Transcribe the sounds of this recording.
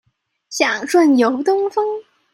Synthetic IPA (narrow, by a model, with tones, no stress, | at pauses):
ɕjɑ˨˩ŋʈ͡ʂwa˥˩njo˧˥ʊt̪ʊ˥ŋfɤ˥ŋ